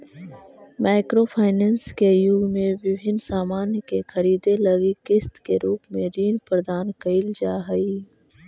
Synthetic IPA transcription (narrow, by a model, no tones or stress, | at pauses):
maːɪkɾopʰaːɪnɛ̃ːnskejʊɡmẽʋɪbʱɪnsaːmaːnjkexʰɐɾiːd̪elɐɡikɪst̪keɾuːpmẽɾiːnpɾd̪aːnkɐɪld͡ʒaːɦɐi